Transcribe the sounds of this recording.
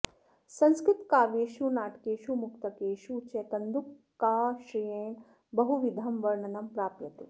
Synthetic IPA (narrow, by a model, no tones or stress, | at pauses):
sɐ̃nskɾɪt̪kaːʋeːʃunaːʈkeːʃumukt̪ɐkeːʃut͡ʃeːk̪ɐnd̪ukː | aːʃɾijẽː | bɐɦuʋid̪ʱɐmʋɐɾɳɐnɐmpɾaːpjɐt̪u